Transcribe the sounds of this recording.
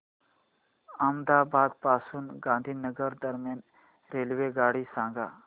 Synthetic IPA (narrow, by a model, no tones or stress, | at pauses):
amd̪abʱad̪̚pasuːnɡãnd̪ʱiːnəɡəɾd̪əɾmjan | ɾelʋeɡaɽiːsãŋɡa̰